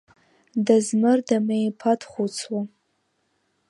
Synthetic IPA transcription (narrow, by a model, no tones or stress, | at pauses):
dazmɨrdamejpʰatʰχʷut͡sʰwa